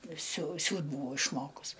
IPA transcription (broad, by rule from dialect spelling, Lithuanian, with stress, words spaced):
sʲʊ ˈsʲuːt ˈbʊʋɐʊ ɪʃˈmoːkʊs